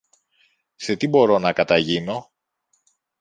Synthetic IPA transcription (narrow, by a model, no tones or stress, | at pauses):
se̞t̪ibo̞ɾo̞nɐkɐt̪ɐʝino̞